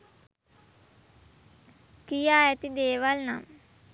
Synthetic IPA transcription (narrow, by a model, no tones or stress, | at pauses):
kijaːjɐt̪id̪eːʋalna̰m